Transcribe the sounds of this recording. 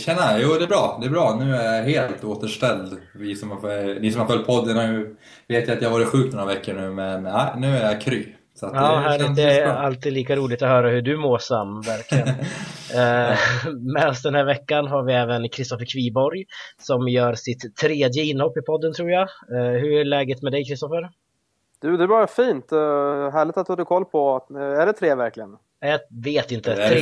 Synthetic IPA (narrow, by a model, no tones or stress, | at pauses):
ɕɛnːajuːd̪ɛɛbɾɑːd̪ɛːbɾɑːnʉ̟ːæɾjaɦeːlt̪oːt̪əʂʈɛld̪vɪsɔmhaniːsɔmhaɾfœlt̪̚pʰɔd̪ːənhaɾjɵ | veːt̪jaat̪jahavɑːɾɪt̪ɧʉ̟ːktnɔɾavɛkːəɳʉ̟ːmɛnaɪnʉ̟ːæɾjakʰɾyː | sɔat̪ɑːɦæːlɪd̪ɛalt̪iːd̪liːkaɾuːlɪɡ̚t̪ɔhœːɾahɵɖɵmoːʂamːvæɾklɪɡə | mɛsd̪ɛnhæːɾvɛkːanɦaɾvɪɛːvənkʰɾɪst̪ɔfəɾkʰviːbɔɾjsɔmjœːɾsɪt̪ʰːɾeːd̪jəɪnːhɔpːɪpʰɔd̪ːənt̪ʰɾuːɾjaɦɵɾæɭɛːɡət̪mɛd̪ɛjkʰɾɪst̪ɔfəɾ | d̪̥ɵd̪ɛːbɑːɾafiːnt̪ɦæːɭɪt̪at̪hɑːd̪ɪkʰɔlːpʰɔæɖɛt̪ʰɾeːvæɾklɪɡən | ɛjaveːt̪ɪnt̪əɾ